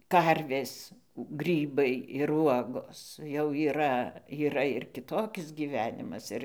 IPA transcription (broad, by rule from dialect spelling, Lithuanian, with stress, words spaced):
ˈkɐrʲʋʲeːs ˈɡrʲiːbɐɪ ɪr ˈuɔɡoːs jɛʊ iːˈrɐ iːˈrɐ ɪr kʲɪˈtoːkʲɪs ɡʲiːˈʋʲæːnʲɪmɐs ˈɪr